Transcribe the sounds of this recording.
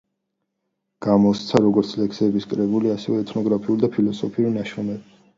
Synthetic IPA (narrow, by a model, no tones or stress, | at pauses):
ɡ̥amɔst̪sʰaɾɔɡɔɾt̪sʰlɛkʰsɛbiskʼɾɛbuliasɛvɛɛt̪ʰnɔɡɾapʰiuld̪apʰilɔsɔpʰiuɾnaʃɔmɛb